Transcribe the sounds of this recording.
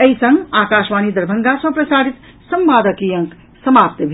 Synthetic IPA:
eisə̃ŋɡaːkaːʃʋaːnid̪əɾbʱəŋɡasɐ̃pɾəsaːɾit̪ | səmʋaːd̪əkijə̃ŋk | səmap̚t̪əbʱ

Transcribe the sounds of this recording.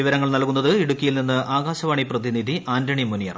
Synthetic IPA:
iʋɐɾɐŋːɐɭnɐlkunːɐðɨiɽukʲːɐjilninːɨʔaːɣaːɕɐʋaːɳiprɐðinid̪ʱiʔaːndɐɳimunijɐ̰r

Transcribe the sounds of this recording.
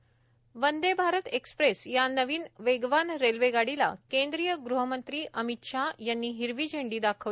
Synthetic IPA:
ʋənd̪ebʱaɾət̪ekspɾesjanəʋiːnʋeɡʋanɾelʋeɡaɽila̰kẽnd̪ɾiːjəɡɾuɦəmənt̪ɾiːʔəmit̪ʂajanːiːɦiɾʋiːd͡ʑʱẽɳɖiːd̪akʰəʋ

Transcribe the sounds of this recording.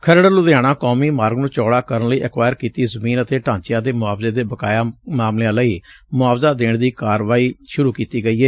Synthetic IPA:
kʰəɾəɽəlʊd̪aːɽ̃aːkɔːmiːmaːɾɡnũːt͡ʃɔːɽaːkəɾənləiːʔəkʋaːjəɾkiːt̪iːzəmiːnət̪eːʈãːɲt͡ʃɪjãːd̪eːmʊaːbzeːd̪eːbəkaːjaːmaːmleãːləiː | mʊaːbzaːd̪eːɳd̪iːkaːɾʋaːiːʃʊɾuːkiːt̪iːɡəiːɦɛː

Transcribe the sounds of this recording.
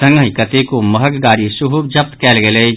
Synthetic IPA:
ə̃ŋɡəikət̪ekoməɦəkɡaːɾisuɦub̚d͡ʒəp̚t̪kɛːlɡele

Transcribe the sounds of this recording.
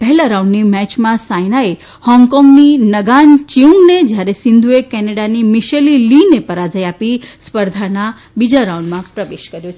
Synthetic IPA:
pɛɦɛlaɾaũɳɖnimɛt͡ʃmãsajnae | hɔ̃ŋɡkɔ̃ŋɡninəɡant͡ʃiũŋɡned͡ʒjaɾesɪnd̪ʱuekɛneɽanimiʃelilinepəɾad͡ʒəjapispəɾd̪ʱana | bid͡ʒaɾaũɳɖmãpɾəʋeʃkəɾjot͡ʃʰe

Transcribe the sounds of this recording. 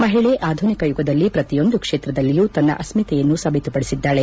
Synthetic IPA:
mɐɦiɭeʔaːd̪ʱunikɐjuɡɐd̪ɐlːipɾɐt̪ijo̞nd̪ukʂeːt̪ɾɐd̪ɐlːijuːt̪ɐnːɐ̰ʔɐsmit̪ɛjɐnːusɐbʱit̪upɐɽisid̪ːaːɭe

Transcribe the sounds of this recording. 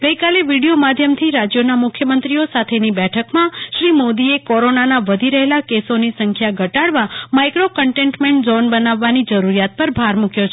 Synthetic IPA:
ɡəjkaleʋiɽijomad̪ʱjəmt̪ʰiɾad͡ʒjonamʊkʰːjəmənt̪ɾiosat̪ʰenibɛʈʰəkmãʃɾimod̪iekɔɾonanaʋəd̪ʱiɾəɦelakesonisəŋkʰjaɡʱəʈaɽʋamajkɾokəɳʈeɳʈmeɳʈzɔnbənaʋːanid͡ʒəɾuɾijat̪̚pəɾbʱaɾmukjot͡ʃʰ

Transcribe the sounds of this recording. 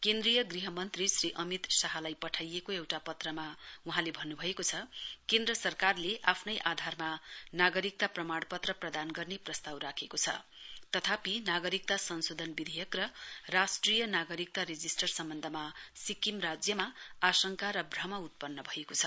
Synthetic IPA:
kend̪rijʌɡriɦʌmʌnt̪risriʔʌmit̪saɦalajpʌʈʰajekoewʈapʌt̪rʌmauɦãlebʱʌnːubʱʌekot͡sʰʌkend̪rʌsʌrkarleʔapʰnʌjʔad̪ʱarmanaɡʌɾik̚t̪aprʌmaɽ̃pʌt̪rʌprʌd̪anɡʌrneprʌst̪awrakʰekot͡sʰʌ̰ | t̪ʌt̪ʰapinaɡʌɾik̚t̪asʌnsod̪ʱʌnbid̪ʱejʌkrʌrasʈrijʌnaɡʌɾik̚t̪aɾed͡zisʈʌrsʌmbʌnd̪ʱʌmasikimrad͡zjʌmaasʌŋkaɾʌbʱrʌmʌut̪̚pʌnːʌbʱʌekot͡sʰʌ

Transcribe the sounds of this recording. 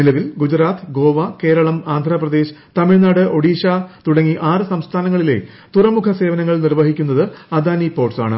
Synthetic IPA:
nilɐʋilɡud͡ʑuɾaːt̪ʰɨɡo̞ːʋɐke̞ːɾɐɭɐmaːnd̪ʱrɐːprɐd̪eːɕɨ̥t̪ɐmiɻnaːɽɨʔo̞ɽiːɕaːt̪uɽɐŋːiʔaːrɨsɐmst̪ʰaːnɐŋːɐɭile̞̰ | t̪urɐmukʰɐse̞ːʋɐnɐŋːɐɭnirʋɐɦikʲːunːɐðɨɐd̪aːnipo̞ːʈsa̰ːɳɨ̰

